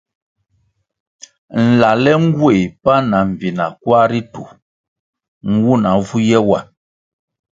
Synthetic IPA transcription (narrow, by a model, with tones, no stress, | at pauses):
n̩˨la˨lɛ˦ŋ̩˦ɡwe˦˨pa˦na˨ɱ̩˨vi˨na˨kwa˦ɾi˦tu˨ | ŋ̩˦wu˦na˨vu˦jɛ˦wa˨